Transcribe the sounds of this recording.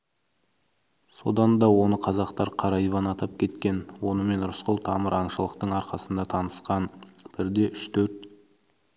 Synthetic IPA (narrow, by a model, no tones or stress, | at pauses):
so̞̰d̪ɑnd̪ɑwo̞nəqʰɑzɑqt̪ɑɾqʰɑɾɑjvɑnɑt̪ɑp̚kʲʰe̞t̪kʲe̞nwo̞nəme̞nɾʊsqolˠt̪ʰɑməɾɑɴʃəlˠəqt̪əɴɑɾqɑsənd̪ɑt̪ʰɑnəsqɑnb̥ɪɾd̪e̞ʔʏʃt̪ʰɵɾt̪